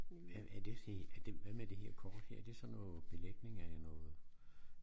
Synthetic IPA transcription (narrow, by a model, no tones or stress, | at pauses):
ʋææɐd̥e̝siæd̥eʋæmæd̥e̝heɐ̰kʰɒːd̥hɛ̰ɐ̰ɐd̥e̝sɒ̽nːɔ̽ːð̩ˠb̥e̝leɡ̥̚ne̝ŋɐænɔːð̩ˠ